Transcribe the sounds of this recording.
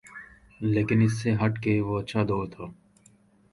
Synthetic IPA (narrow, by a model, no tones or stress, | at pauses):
leːkɪnɪsːeɦəʈkeʋoːətːʃʰaːd̪oːt̪ʰoː